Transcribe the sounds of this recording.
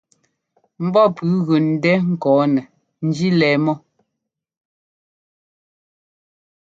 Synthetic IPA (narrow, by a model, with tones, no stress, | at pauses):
m̩˦bɔ˦˨pʉ˨˦ɣʉ˨n̩˨dɛ˦ŋ̩˨kɔː˨˦nɛ˨ | n̩˦d͡ʒi˦lɛː˨˦mɔ˦